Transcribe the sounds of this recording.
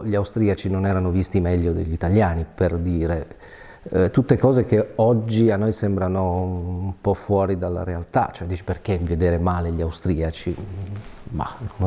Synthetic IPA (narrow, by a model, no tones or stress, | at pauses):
ʎiawst̪ɾiːat͡ʃinonɛːɾanovist̪imɛʎːod̪ḛʎːit̪aʎjaːniperd̪iːɾe | t̪ut̪ːekɔːzekeɔd͡ʒːianːojsɛmbɾanoumpɔfːwɔːɾid̪alːa̰ɾealt̪a̰t͡ʃːoɛd̪iːt͡ʃi̥perkeved̪eːɾemaːleʎiawst̪ɾiːat͡ʃi | ma̰nn